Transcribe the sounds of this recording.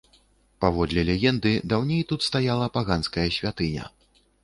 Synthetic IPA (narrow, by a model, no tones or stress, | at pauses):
pavɔd̪lʲɛlʲɛjʲɛnd̪ɨd̪awnʲejt̪ut̪st̪ajalˠɐpaɣanskɐjɐsʲvʲat̪ɨnʲɐ̰